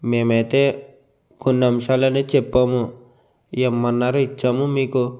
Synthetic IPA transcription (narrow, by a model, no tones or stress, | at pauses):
meːmɐt̪e | kunːɐmʃaːlɐnet͡ʃɛpːɐmu | eːmːɐnːaɾuit͡ʃːɐmumiːku